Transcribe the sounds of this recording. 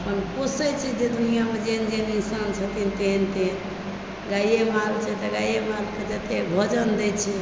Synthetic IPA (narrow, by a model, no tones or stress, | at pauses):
əpənkosət͡ʃʰid͡ʒed̪unijamed͡ʒend͡ʒeninsant͡ʃʰət̪int̪ent̪en | ɡajemalt͡ʃʰɛt̪əɡajemalked͡ʒət̪ebʱɔd͡ʒənd̪ɛt͡ʃʰɛ